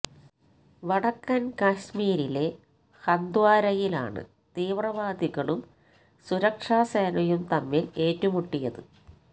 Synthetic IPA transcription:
ʋɐɽɐkːɐnkɐɕmiːɾile̞ | hɐnd̪waːɾɐjila̰ːɳɨ̰ | t̪iːʋrɐʋaːd̪iɣɐɭum | suɾɐkʂaːsɐjɐnɐjumt̪ɐmːile̞ːtːumuʈːijɐðɨ

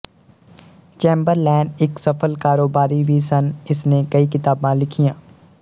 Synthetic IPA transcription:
t͡ʃẽːmbəɾlɛːɳɖɪksɐpʰəlkaːɾoːbaːɾibʱisɐnɪsnekɐikɪt̪aːbãlɪkʰijãː

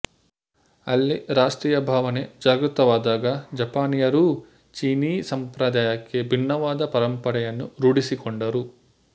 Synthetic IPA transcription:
ɐlːiɾaːsʈɾiːjɐbʱaːʋɐned͡ʒɐɾɡɾut̪ɐʋaːd̪aːɡaːd͡ʒɐpaːnijɐɾu | t͡ʃiːniːsɐmpɾɐd̪aːjɐkːebʱinːɐʋaːd̪ɐpɐɾɐmpɐɽɐjɐnːuɾuːɽisikɔɳɖɐɾu

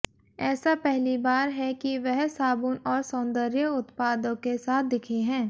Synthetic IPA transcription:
ɛːsapɛɦlibaːɾɦɛkiʋɛɦsaːbunɔːɾsɔ̃ːnd̪əɾjəʊt̪paːd̪ə̃kkesaːt̪̚ʰd̪ɪkʰeɦɛ̃ː

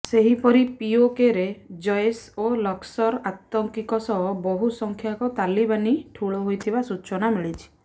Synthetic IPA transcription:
seɦipɔɾipiokeɾed͡ʒɔjsolɔksɔɾat̪ɔŋkikɔsɔɦɔbɔɦusɔŋkʰjakɔt̪alibaniʈʰuɭɔɦojt̪ʰibasut͡ʃɔnamiɭit͡ʃʰi̥

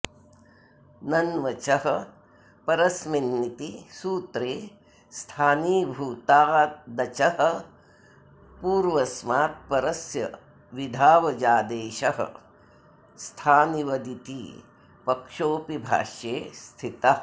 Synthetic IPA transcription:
nɐnʋɐt͡ʃɐɦɐ̆ | pɐɾɐsminːit̪isuːt̪ɾeː | st̪ʰaːniːbʱuːt̪aːd̪ɐt͡ʃɐɦɐ̆ | puːɾʋɐsmaːt̪̚pɐɾɐsjɐ̰ | ʋid̪ʱaːʋɐd͡ʒaːd̪eːʃɐɦɐ̰ | st̪ʰaːniʋɐd̪it̪ḭ | pɐkʂoːpibʱa̰ːʃjeːst̪ʰit̪ɐ

